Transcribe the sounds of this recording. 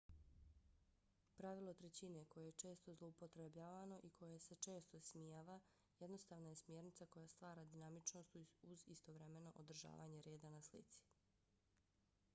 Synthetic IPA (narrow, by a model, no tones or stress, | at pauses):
pɾaʋilˠo̞t̪ɾet͡ɕine̞ko̞jejet͡ʃe̞ːst̪o̞zlˠoupot̪ɾebʎaːʋano̞ʔikʰo̞je̞se̞t͡ʃe̞ːst̪o̞smijaːʋa | jed̪nost̪aːʋnaje̞smjeɾnit̪sako̞jast̪ʋaːɾad̪inamit͡ʃnost̪uzist̪oʋɾeme̞noʔod̪ɾ̩ʒa̰ːʋaɲeɾe̞ːd̪anaslḭt̪si̥